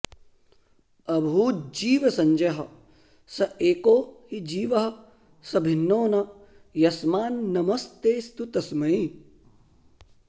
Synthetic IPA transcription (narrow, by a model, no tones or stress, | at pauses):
ɐbʱuːd͡ʒiːʋɐsɐɲd͡ʒɐɦɐ̆ | sɐeːkoːhid͡ʒiːʋɐɦɐ̆ | sɐbʱinːoːnɐ | jɐsmaːnːɐmɐst̪eːst̪ut̪ɐsmɐi